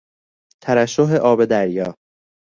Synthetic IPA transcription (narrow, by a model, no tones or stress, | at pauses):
t̪ʰæɾæʃːoɦe̞ʔɒːbe̞d̪æɾjɒː